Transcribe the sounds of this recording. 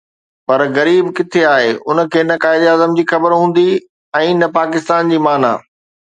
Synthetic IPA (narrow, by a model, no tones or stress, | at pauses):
pɐɾɣɐɾiːbkɪt̪ʰeaːɦeʔʊnə̆kʰeːnɐkaːɦɪd̪iaːzəmd͡ʑiːxɐbəɾɦũːn̆d̪i | ɛ̃ːnɐpaːkɪst̪aːnd͡ʑiːmaːna̰ː